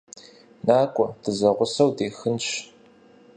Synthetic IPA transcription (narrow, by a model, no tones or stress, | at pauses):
naːkʷʼɔd̥ɨzɐʁʷʊsɐwdeːxɨnʃ